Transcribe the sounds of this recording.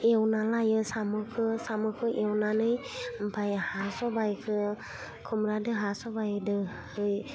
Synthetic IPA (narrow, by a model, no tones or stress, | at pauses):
ewnalajɯsamɯkʰɯsamɯkʰɯʔewnanɯjmpʰajhasɔbajkʰɯ | kʰɯmɾadɯɦasɔbajɯdɯ | hɯj